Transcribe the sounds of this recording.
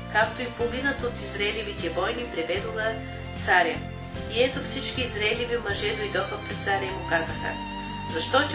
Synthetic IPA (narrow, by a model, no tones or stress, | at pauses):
kakt̪oipominət̪ot̪izɾɐɛlʲivit̪ɛvɔjnipɾɛvɛd̪oɣə | t̪saɾʲə | iɛt̪ofsit͡ʃkiːzɾaɛlivimɐʒɛd̪oid̪ɔxəpɾɛt̪saɾʲɐimukazɐxə̰ | zɐʃt̪ɔt̪ʲ